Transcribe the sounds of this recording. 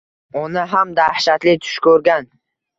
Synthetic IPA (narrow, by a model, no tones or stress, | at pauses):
ʊnɪɦamd̪ahʃat̪lɪt̪ʰʊ̥ʃkʰɵɾɡʲan